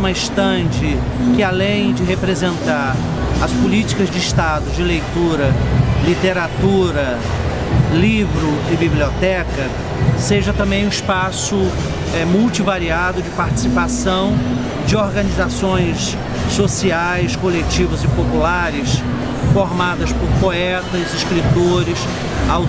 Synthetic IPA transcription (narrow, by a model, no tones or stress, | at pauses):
mɐiʃt̪ɐ̃d͡ʒɪ | kɪalẽj̃d͡ʒɪɦepɾezẽnt̪aɾ | ɐspulit͡ʃi̥kɐzd͡ʒɪiʃt̪ad̪ʊd͡ʒɪlejt̪uɾɐlit̪eɾat̪uɾɐ | livɾʊɪbibliot̪ɛkɐ | seʒɐt̪ɐ̃mbẽj̃ũispasʊ | ɛmuwt͡ʃivaɾiad̪ʊd͡ʒɪpaɾt͡ʃi̥sipasɐ̃w̃ | d͡ʒɪoɾɡɐ̃nizasõj̃sː | osiajskolet͡ʃivɐzɪpopulaɾɪs | foɾmad̪ɐspoɾpoɛt̪ɐzɪskɾit̪oɾɪs | aw